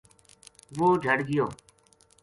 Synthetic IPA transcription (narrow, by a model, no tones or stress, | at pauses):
ʋoːd͡ʒʱəɽɡɪjoː